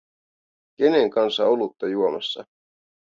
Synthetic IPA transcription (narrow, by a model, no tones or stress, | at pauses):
ke̞neŋkɑnsɑolut̪ːɑjuomɑsːɑ̰